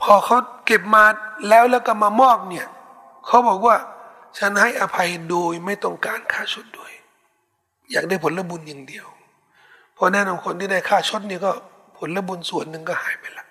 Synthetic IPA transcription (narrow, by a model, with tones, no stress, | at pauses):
pʰɔː˧kʰa˦˥wke˨˩p̚maː˧t̪̚lɛː˦˥˩wlɛː˧˩˨wka˧˥˩maː˧mɔː˥˩p̚ni˧˩ɐ | kʰa˦˥wbɔː˨˩k̚waː˧˩ | t͡ɕʰa˦˧˥nha˧˥˩jʔaː˨˧pʰa˧jdoː˨˧jma˧˥˩jt̪ɔ˧˩ŋkaː˨nkʰaː˧˥˩t͡ɕʰo˧˦˥t̪̚du˨˩əj | jaː˨˩k̚da˧˥˩jpʰo˨˦la˧˥˨bu˧nɲa˧ŋdi˨˧əw | pʰɔː˧˦nɛː˧˥˨nɔ˧˩mkʰo˧˨nt̪ʰiː˧˩da˧˩jkʰaː˧˥˩t͡ɕʰo˦t̪̚niː˧˩kɔː˧˩ | pʰo˨˦nla˧˥˨bu˧nsu˨˩ənːɯ˧ŋkɔ˧˩haː˨˦jpa˨˧jla˧˦ʔ